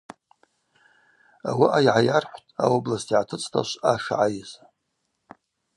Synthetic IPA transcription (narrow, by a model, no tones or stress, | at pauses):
a̰waʔajʕajarħʷtʼa̰woblastʰiʕatʰɨt͡sʼtʰa̰ʃʷaʂaʕajɪz